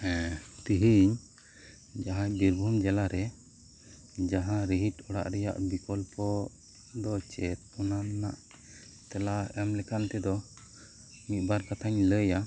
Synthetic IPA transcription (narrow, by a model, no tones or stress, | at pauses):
ɛ̃t̪iɦiɲ | d͡ʒaɦãd̪iɾbʱumd͡ʒɛlaɾɛ | d͡ʒaɦãɾiɦiʈɔɽa̰ʔɾɛja̰ʔbikɔlpɔ | d̪ɔt͡ʃɛt̪̚ɔnanːa̰ʔ | t̪ɛlaɛmlɛkant̪ɛd̪ɔ | mit̪̚baɾkat̪ʰaɲləja